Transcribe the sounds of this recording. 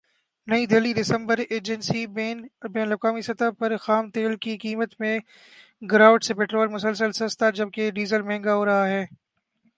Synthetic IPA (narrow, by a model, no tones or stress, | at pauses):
nɐĩd̪ɪːliɖɪsə̃mbəɾeːd͡ʒənsibɛːnləkaːmisɐt̪apɐɾxaːmt̪eːlkikiːmət̪mẽ | ɡɾaːʊʈsepeːʈɾoːlmʊsəlsəlsɐst̪ad͡ʒɐb̚keɖiːzəlmɛ̃ɦɛ̃ːŋɡaɦoːɾɐɦaɦɛː